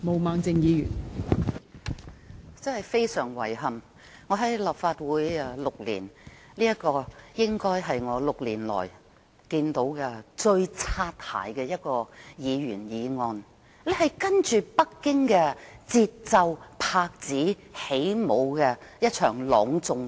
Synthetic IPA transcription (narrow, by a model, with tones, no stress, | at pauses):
mo˨wmaː˨˧ŋt͡sɪ˧ŋjiː˨˧jy̰ː˨˩n | t͡sɐ˥hɐ˨˩jfe˥jsœː˨˩ŋwɐ̰˨˩jhɐ˨m | ŋɔː˨˧ɦɐ˨˥jla˨pfaː˧t̚wuː˨˥jlʊ˨k̚lḭː˨˩n | liː˥jɐ˥kɔː˧jɪ˥ŋkɔː˥jɦɐ˨jŋɔː˨˧lʊ˨k̚liː˨˩nlɔ̰ː˨˩j | kiː˧nt̪o˨˥wkɛ˧t͡ʃɵ˧ɥt͡sʰaː˧t̚ha̰ː˨˩jkɛː˧jɐ˥t̚kɔː˧jiː˨˧jyː˨˩njiː˨˧ŋɔː˧n | le˨˧hɐ˨jkɐ˥nt͡ʃyː˨pɐ˥kːɪ˥ŋkɛː˧t͡siː˧t̚t͡sɐ˧wpʰaː˧k̚t͡siː˨˥ | he˨˥jmo˨˧wkɛ˧jɐ˥t̚t͡ʃʰœː˨˩ŋlɔː˨˧ŋt͡sʊ˨˧ŋ